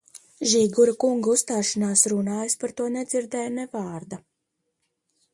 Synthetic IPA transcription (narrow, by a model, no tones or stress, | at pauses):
ʒiːɡuɾakuŋɡust̪aːʃanaːsɾunaːjaspaɾt̪uɔnʲɛd̪ziɾd̪ɛjanɛvaːɾd̪a